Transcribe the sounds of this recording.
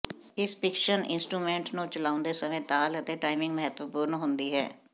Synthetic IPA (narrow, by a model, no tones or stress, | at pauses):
ɪspɪkʃənɪ̰nsʈɾuːmɛ̃ːɳʈnũːt͡ʃəlaːʊnd̪eːsəmẽːt̪aːlət̪eːʈaːimɪ̃ŋɡməɦət̪ʋəpuːɾnɦʊnd̪iːɦɛ̰ː